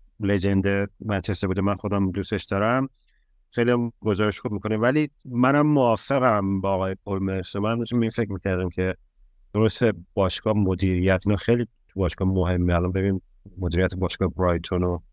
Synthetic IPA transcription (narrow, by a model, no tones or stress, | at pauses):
led͡ʒe̞nd̪emæt͡ʃʰesebuːd̪emænxo̞d̪æmd̪ust̪eʃd̪ɒːɾæm | xejlijæmɡ̥o̞zɒːɾeʃxub̚mikʰo̞nevælimænæmːoɒːfe̞ɣæmbɒːɣɒːjepʰolmeɾsomænmd̪uʃimbeinfe̞c̚ʰmiːcʰæɾd̪æmcʲʰe̞ | d̪̥o̞ɾost̪eb̥ɒːʃkɒːmod̪iːɾijæt̪ʰinɒxejliː | t̪ʰubɒːʃkɒːmoɦe̞mːeælɒnbe̞βin | mod̪iːɾijæt̪ʰebɒːʃkɒːhbɾɒːjt̪ʰono